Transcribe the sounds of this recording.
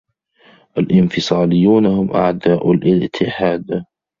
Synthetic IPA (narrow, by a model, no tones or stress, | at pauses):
ʔalʔɪnfɨsˤɑːlɪjːuːnhʊmʔaʕd̪aːʔʊlʔɪt̪ʰɪħaːd̪